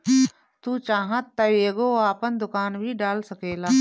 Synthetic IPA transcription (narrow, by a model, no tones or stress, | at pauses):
t̪uːt͡ʃaːɦãt̪ːəeːɡoaːpənd̪ʊkaːnbʱiɖaːlsɐkeːlaː